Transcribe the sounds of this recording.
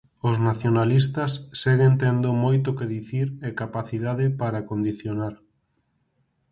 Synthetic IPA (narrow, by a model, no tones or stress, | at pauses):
oznaθjonalist̪ɐsːɛɣent̪end̪ʊmojt̪ʊkeðiθiɾɛkapaθiðaðɪpaɾakond̪iθjonaɾ